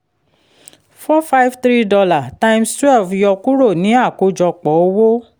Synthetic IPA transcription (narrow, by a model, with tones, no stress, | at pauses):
fɔ˦fa˦jvt̪ɾi˦dɔ˧la˨tã˦ĩ˦mstɾɛ˦˨fjɔ˧ku˦ɾo˦˨nĩ˨˦a˦˨ko˧˦d͡ʒɔ˧k͡pɔ˨˦o˦wo˦